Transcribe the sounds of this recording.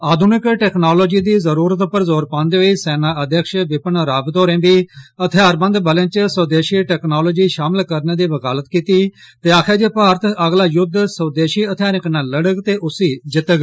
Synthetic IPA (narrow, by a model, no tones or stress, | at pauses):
aːd̪ʱʊnɪkʈɛːknaːloːd͡ʒiːd̪iːzəɾuːɾət̪pəɾzoːɾpãːnd̪eːɦoiːsɛːnaːʔəd̪jəkʃʋɪpənɾaːbd̪oːɾẽːbiːət̪ʰɪjaːɾbə̃nd̪bəlẽːt͡ʃsəːd̪eːʃiːʈɛːknaːloːd͡ʒiːʃaːmɪlkəɾneːd̪iːʋəkaːlət̪kiːt̪iː | t̪eːaːkʰeːd͡ʒeːpaːɾət̪əɡlaːjʊd̪səːd̪eːʃiːət̪ʰjaːɾɪknãːləɽəɡt̪eːʔʊsiːd͡ʒɪt̪əɡ